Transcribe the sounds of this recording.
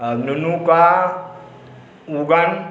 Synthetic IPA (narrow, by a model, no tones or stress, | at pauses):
nunuka | uɡan